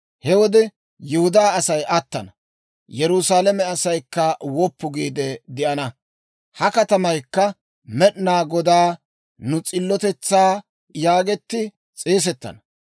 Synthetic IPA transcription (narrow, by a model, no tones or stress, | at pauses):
hɛwɔd̪ɛ | jʊhʊd̪aːɐsɐjʔɐt̪ːɐnɐ | jɛɾʊsaːlɛmɛɐsɐjkːɐwɔpːʊɡiːd̪ɛd̪ɪʔɐnɐ | hɐkɐt̪ɐmɐjkːɐ | mɛɗnaːɡɔd̪aː | nʊt͡sʼɪlːɔt̪ɛt͡sːaː | jaːɡɛt̪ːɪ | t͡sʼeːs̬ɛt̪ːɐ̰nɐ